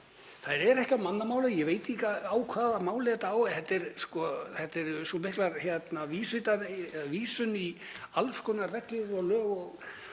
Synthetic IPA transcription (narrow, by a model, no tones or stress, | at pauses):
θaðɾɛɾɛhcamanːamaːwlajɛveːjt̪ɪihkaaːwkʰvaːðamaːwlɛt̪aaːwɛθɛt̪ːɛɾskɔθɛt̪ːɛɾsumɪhklaɾçjɛt̪naviːsvɪt̪aviːsʏni | alvskɔːnarɛklʏɾɔɣlœːɣɔɣ